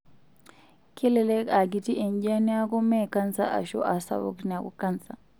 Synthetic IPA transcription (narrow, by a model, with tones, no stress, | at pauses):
kʰi˦lɛlɛ˦ka˨ɡi˨ti˦ʔɛ˨ɲɟa˦ni˦a˦kɔ˦mɛ˦ka˦nsa̰˦ʔa̰˨ʃɔ̰˦ʔa˨sa̰˨wo̰˦knia˨kɔ̰˦kansa˨